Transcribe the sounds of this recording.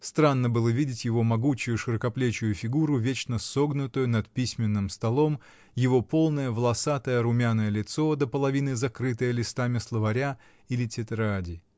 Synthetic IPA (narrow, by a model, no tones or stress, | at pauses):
st̪ɾanːəbɨlˠəvʲidʲɪtʲjɪvo̞mɐɡut͡ɕʊjʊʂɨɾəkɐplʲet͡ɕʊjʊfʲɪɡuɾʊvʲet͡ɕnəso̞ɡnʊt̪ʊjʊnɐt̪pʲisʲmʲɪnːɨmst̪ɐlˠo̞m | jɪvo̞po̞lˠnəjəvlˠɐsat̪əjəɾʊmʲanəjəlʲɪt̪so̞d̪əpəlˠɐvʲinɨzɐkɾɨt̪əjəlʲɪst̪amʲɪslˠəvɐɾʲa | ilʲɪtʲɪt̪ɾadʲɪ